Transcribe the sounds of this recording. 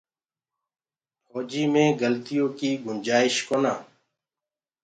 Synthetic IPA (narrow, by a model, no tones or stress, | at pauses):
pʰɔːd͡ʒiːmẽːɡəlt̪ijõːkiːɡʊnd͡ʒaːɪʃkoːnaː